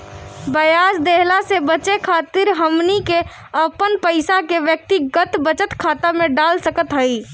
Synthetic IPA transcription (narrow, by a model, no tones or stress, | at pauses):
bəjaːsd̪eɦlasebət͡ʃekʰaːt̪ɪɾɦəmnike | əpənpəɪsakeʋjək̚t̪iɡət̪bət͡ʃət̪kʰaːt̪amẽɖaːlsəkət̪ɦəi